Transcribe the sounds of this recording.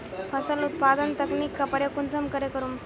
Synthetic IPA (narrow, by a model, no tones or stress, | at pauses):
pʰəsəlut̪̚pad̪ənt̪əkniːkːəpəɽjekunt͡səmkəɾekəɾuːm